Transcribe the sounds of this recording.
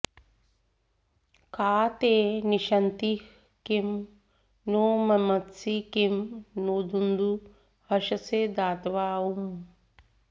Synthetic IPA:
kaːt̪eːniʃɐnt̪ih | kim | noːmɐmɐt̪sikimnoːd̪und̪u | hɐʃɐseːd̪aːt̪ʋaːum

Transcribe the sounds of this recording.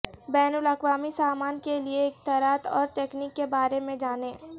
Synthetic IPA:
bɛːnʊlɐkwaːmisaːmaːnkeliekt̪aɾaːt̪ɔ̰ːɾt̪eːkniːkːebaːɾemẽd͡ʒaːnẽː

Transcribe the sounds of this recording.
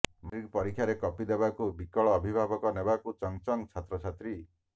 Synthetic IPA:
mɾiɡpɔɾikʰːjaɾekɔpid̪ebakubikɔɭɔːbʱibʱabɔkɔnebakut͡ʃɔŋt͡ʃɔŋt͡ʃʰat̪ɾɔt͡ʃʰat̪ɾi

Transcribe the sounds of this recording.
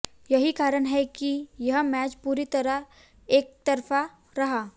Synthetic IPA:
jɐɦikaːɾəɳɦɛkijɐɦəmɛːt͡ʃpuːɾit̪ɐɾəɦ | eːk̚t̪ɐɾfa | ɾɐɦaː

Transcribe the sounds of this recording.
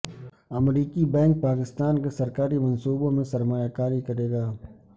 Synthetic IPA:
ɐmɾiːkibɛ̃ːŋk̚paːkɪst̪aːnkesɐɾkaːɾimɐ̃nsuːbomẽsɐɾmaːjakaːɾikɐɾeːɡaː

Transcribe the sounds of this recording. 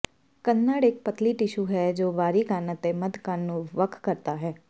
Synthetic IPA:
kənːaːɽɪk̚pət̪liːʈɪʃuːɦɛːd͡ʒoːʋaːɾiːkənət̪eməd̪kənːũːʋəkʰkəɾt̪aːɦɛː

